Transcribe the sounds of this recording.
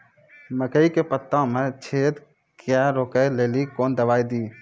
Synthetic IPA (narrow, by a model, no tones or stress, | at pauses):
məkəikepət̪ːãmẽt͡ʃʰeːd̪ | kjaɾoːkəleːlikoːnd̪əbaːid̪iː